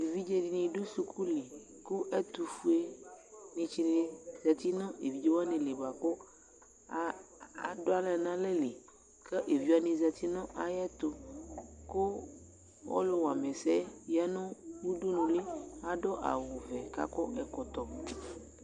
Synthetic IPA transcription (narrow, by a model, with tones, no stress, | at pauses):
e˨vi˦d͡ʒɛ˦di˨nĩ˨ɖo˦su˨kʰu˦le˨ | ku˦ʔɛ˦t̪u˨fu˦e˦nĩ˨t͡ʃi˨le˨˦za˨t̪i˦nɔ̃˦e˨vi˨˦d͡ʒe˦wa˦nẽ˨le˨ba˨kɔ˦ | a˨do˦a˦lɛ˨nã˦le˦le˨ | kə˦ʔe˨vi˦a˦nĩ˨za˨t̪i˦nɔ̃˦ʔa˨jɛ˦t̪o˨ko˦ | wɔ̰˦lo˦wa˨mɛ˨sɛ˦ja˦nɔ̃˦wu˦ɖo˦nũ˨le˦a˦ɖɔ˦ʔa̰˨wo˨vɛ˨ka̰˦kɔ˦ʔɛ˨kɔ˨t̪ɔ˨